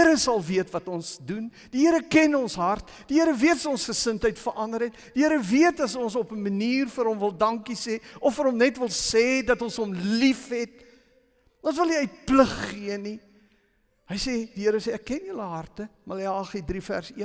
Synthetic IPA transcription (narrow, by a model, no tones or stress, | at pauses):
əɾəsɐlˠviətvɐtɔnsdun | d̥iɦəəɾəkɛnɔnsɦɐrt | d̥iɦəɾəviətssɔnsχəsəntɦəjtfəɾʔɐndəɾɦɛt̚d̥iɦəɾəviətɐsɔnsɔpəməniːrfəɾɦɔmvəlˠdɐŋkisɛːʔɔfəɾɦɔmnɛtvəlˠsɛːdɐtɔnsɦɔmlifɦɛt̚ | ɔnsvəlˠiœɥt̚pləχːiəni | həjsediɦəɾəseːækːɛnjələɦɐrtəmɐleɑɑːχidrifæ̰rsiən